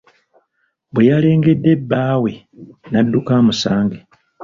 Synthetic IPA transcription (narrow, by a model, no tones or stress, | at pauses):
bwejale̞ːŋɡe̞dːe̞bːaːwe̞ | nadːukaːmusaːŋɡe